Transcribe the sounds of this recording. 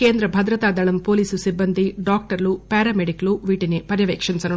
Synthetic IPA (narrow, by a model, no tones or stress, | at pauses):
keːnd̪ɾɐbʱɐd̪ɾɐt̪aːd̪ɐɭɐmpo̞ːliːsusibːɐnd̪ʱiɖaːk̚ʈɐɾlupɛːɾɐmeɖikluʋiːʈinipɐɾjɐʋeːkʂint͡ʃɐnu